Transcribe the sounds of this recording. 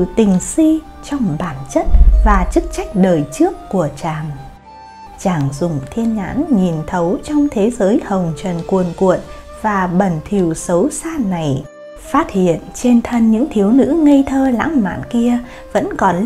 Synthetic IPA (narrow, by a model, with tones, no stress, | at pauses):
t̪ï˨˩ŋ̟si˧ | t͡ɕɔ˧wŋ͡mɓaː˧˩nt͡ɕə˦˥t̚vaː˨˩t͡ɕɨ˦˥k̚t͡ɕa˦˥jk̟̚ɗəː˨˩jt͡ɕɨ˦˥əkːu˧˩ət͡ɕaː˨˩ŋ | t͡ɕaː˨˩ŋzʊ˨˩ŋ͡mt̪ʰi˧ənɲa̰ː˧˥nɲi˨˩nt̪ʰə˨˦wt͡ɕɔ˧wŋ͡mt̪ʰe˨˦zəː˨˦jhə˨˩wŋ͡mt͡ɕə˨˩nkwənku˨ən | vaː˨˩ɓə˨˩nt̪ʰi˨˩əwsə˨˦wsaː˧˥na˨˩j | faː˦˥t̚hḭ˧˨ənt͡ɕe˧nt̪ʰə˧nɲɨ̰˧˥ŋt̪ʰi˨˦əwnɨ̰˧˥ŋə˧jt̪ʰəː˧la̰ː˧˥ŋma̰ː˧˨nki˧ə | və̰˧˥nkɔ˨˩n